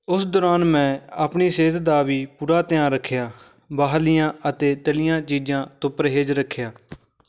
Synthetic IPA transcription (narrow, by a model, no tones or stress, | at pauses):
ʊsd̪oːɾaːnmɛ̃ːaːpɳiːseːt̪d̪aːʋiːpuːɾaːt̪ɪjãːɾəkʰːjaː | baːɦlɪjãːət̪eːt̪əlɪjãːt͡ʃiːd͡ʒãːt̪ʊpəɾɦeːd͡ʒɾəkʰːjaː